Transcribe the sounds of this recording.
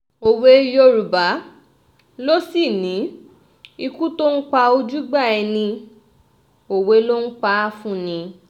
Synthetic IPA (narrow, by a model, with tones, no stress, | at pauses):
o˨we˨˦jo˧ɾu˨ba˨˦ | lo˦si˦˨nĩ˨˦ | i˧ku˦to˦n̩˦k͡pa˧o˧d͡ʒu˦ɡ͡ba˦˨ɛ˧nĩ˧ | o˨we˧˦lo˦n̩˦k͡pa˧˦fũ˦nĩ˧